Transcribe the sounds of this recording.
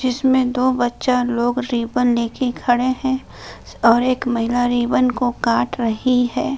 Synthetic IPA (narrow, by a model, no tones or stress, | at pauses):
d͡ʒɪsmẽd̪oːbɐtːʃaloːɡɾiːbənleːkekʰɐɽeɦɛ̃ | ɔːɾeːkmɐɦɪlaɾiːbənkokaːʈɾɐɦiɦɛː